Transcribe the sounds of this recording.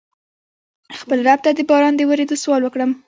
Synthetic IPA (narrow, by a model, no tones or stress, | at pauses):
xpəlɾab̚t̪ad̪əbɑɾɑnd̪əwəɾed̪oswɑlwəkɽəm